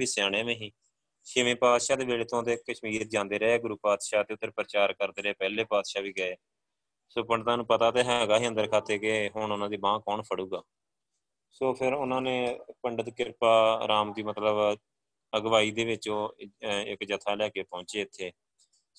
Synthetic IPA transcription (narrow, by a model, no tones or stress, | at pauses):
iːsaːɳẽːmẽːɦĩː | ʃeʋẽːpaːd̪ʃaːd̪eːʋeːleːt̪õd̪eːkːəʃmiːɾd͡ʒãːnd̪eːɾəɦeːɡʊɾuːpaːd̪ʃaːt̪eːʊt̪ːəɾpəɾət͡ʃaːɾkəɾd̪eːɾəeːpɛːleːpaːd̪ʃaːʋiːɡəeː | soːpəɳɖt̪ãːnũːpət̪aːt̪eːɦɛɡaːɦiːənd̪əɾkʰaːt̪eːkeɦʊɳʊnãːd̪iːbãːkɔːɳpʰəɽuːɡaː | soːpʰɪɾʊnãːneːpəɳɖət̪kɪɾpaːɾaːmd̪iːmət̪ləb | əɡʋaːiːd̪eːʋɪt͡ʃõːɪ̰kd͡ʒət̪ʰaːlɛːkeːpɔ̃ːɲt͡ʃeːɪt̪ʰːeː